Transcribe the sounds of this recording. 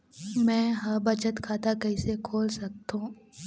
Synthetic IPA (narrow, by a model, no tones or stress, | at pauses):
mɛ̃ːɦɐɾbɐt͡ʃət̪kʰaːt̪akɐɪsekʰoːlsɐk̚t̪ũː